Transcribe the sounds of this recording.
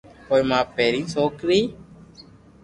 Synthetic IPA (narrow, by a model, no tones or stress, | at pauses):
koːimãːpeːɾĩːsoːkɾiː